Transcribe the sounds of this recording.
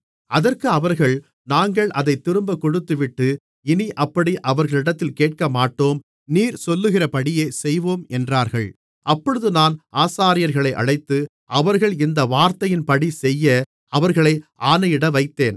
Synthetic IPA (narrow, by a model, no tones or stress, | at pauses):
ɐðɐrkɯɐʋɐɾɣɐɭ | naːŋɡɐɭʔɐðɐɪt̪ːɪɾɯmbɐkːɔɽɯt̪ːɯʋɪʈːɯ | ɪniʔɐpːɐɽiʔɐʋɐɾɣɐɭɪɽɐt̪ːɪlkeːʈ̚kɐmaːʈːoːm | niːɾsɔlːɯɣɪrɐpɐɽɪjeːsɛjʋoːmɛndraːɾɣɐɭ | ʔɐpːɔɻɯðɯnaːnʔaːsaːɾɪjɐɾɣɐɭɐɪʔɐ̰ɻɐɪt̪ːɯ | ʔɐʋɐɾɣɐɭɪnd̪ɐʋaːɾt̪ɐjɪnpɐɽisɛjːɐ | ɐʋɐɾɣɐɭɐɪʔaːnɐjɪɽɐʋɐɪt̪ːeːn